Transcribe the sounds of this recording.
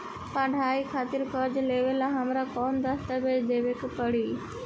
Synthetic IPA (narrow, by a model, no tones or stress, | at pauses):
pãɖʱaːikʰaːt̪ɪɾkəɾd͡ʑleːʋəlaɦamɾakɔːnd̪əst̪əbed͡ʒd̪eːʋɪkpəɽiː